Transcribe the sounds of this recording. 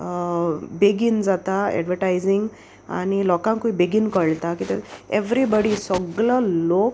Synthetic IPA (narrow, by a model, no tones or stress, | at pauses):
beɡind͡zat̪aɛ̰ɖʋəɾʈajziŋɡ | a̰ñilɔkãŋkuibiɡinkəɭt̪akit̪eeʋɾibɔɽisɔɡɭəlok̚